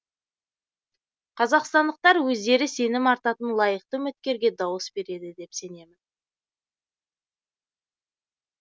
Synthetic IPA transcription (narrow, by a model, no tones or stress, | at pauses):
qʰɑzɑqst̪ɑnd̪əq̚t̪ɑɾwɵzd̪e̞ɾɪse̞nɪmɑɾt̪ɑt̪ənlˠɑjəq̚t̪əmɪt̪kʲe̞ɾɡʲe̞d̪ɑwəsbe̞ɾe̞d̪ɪd̪e̞pse̞ne̞mɪn